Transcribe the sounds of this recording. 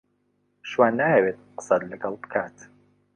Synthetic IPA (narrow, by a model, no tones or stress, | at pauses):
ʃwaːnːaːhɛbeːt̪̚qə̥sˤɑt̪ləɡɐlbəkʰaːt̪